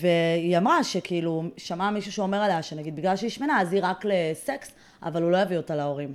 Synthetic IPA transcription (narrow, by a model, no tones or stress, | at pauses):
ve̞iamʁaʃe̞kʰiiluʃamamiʃuʃeo̞meʁaleaʃenaɡid̪̚biɡlalʃeiʃmenaaziʁakle̞seks | ʔa̰valulo̞javiotaleo̞ʁim